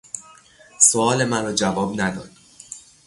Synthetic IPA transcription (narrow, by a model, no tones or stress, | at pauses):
soɒːle̞mænɾɒːd͡ʒævɒːbnæd̪ɒ̰ːd̪̥̚